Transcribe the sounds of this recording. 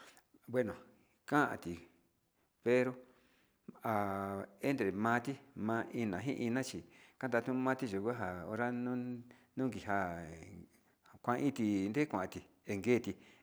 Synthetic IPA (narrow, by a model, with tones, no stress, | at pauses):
bwe˦nõ˨ | kã˦ʔã̰˧t̪i˨ | pe˧ɾo˧ | a˨e˦nd̪ɾe˨mã˧˦˧t̪i˦mã˧ĩ˧nã˨ɦĩ˦ʔi˧nã˦t͡ʃi˧kã˦nd̪a˧t̪ũ˦mã˦˧˦t̪i˧ʒu˨kʷa˦ɦa˨o˧ɾa˦nũ˦nũː˦ɡi˨ɦa˧ | kʷã˧ĩ˦t̪i˧nd̪e˦kʷã˨ʔã˧t̪i˨ | e˧ŋɡe˦˨t̪i˧